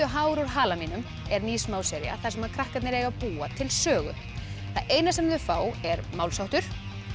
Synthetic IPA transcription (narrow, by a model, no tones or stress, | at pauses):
ʏɦaːwɾaɾɦaːlamiːnʏm | ɛɾniːsmaːwsɛɾja̰θasɛmhaɾkʰɾahkat̪nɪɾeːjɣapuːat̪ʰɪlsœːɣʏ̰ | θaðʔeːjnasɛmðʏfaːwɛɾmawlsawht̪ʏɾ̥